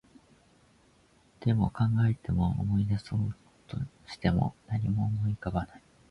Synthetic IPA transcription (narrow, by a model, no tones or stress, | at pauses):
d̪̥e̞mo̞̰kãŋɡae̞t̪e̞mo̞̰ːmo̞id̪asoɯ | t̪o̞̰ɕi̥t̪e̞mo̞̰naɲ̟imo̞ːmo̞ikaβanai